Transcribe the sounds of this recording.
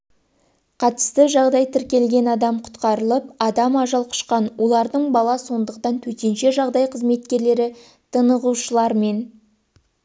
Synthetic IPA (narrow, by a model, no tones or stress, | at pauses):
qʰɑt̪ə̥st̪əʒɑʁd̪ɑjt̪ʰɪɾkʲe̞lɡʲe̞nɑd̪ɑmqʰʊ̥t̪qɑɾəlˠəp̚ɑd̪ɑmɑʒɑlˠqʰʊ̥ʃqɑnwʔo̞lˠɑɾd̪əɴbɑlˠɑso̞nd̪əqt̪ɑnt̪ʰɵt̪enʃe̞ʒɑʁd̪ɑjqʰəzme̞t̪kʲe̞ɾle̞ɾɪ | t̪ʰənəʁuʃəlˠɑɾme̞n